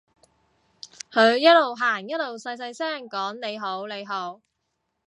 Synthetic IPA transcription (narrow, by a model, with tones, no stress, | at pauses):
kʰɵ˨˧ɥjɐ˥t̚lo˨˩wɦaː˨˩njɐ˥t̚lo˨˩wsɐ˧js̬ɐ˧jsɛː˥˩ŋkɔː˨˥ŋne˨˧jɦo˨˥wle˨˧jɦo˨˥w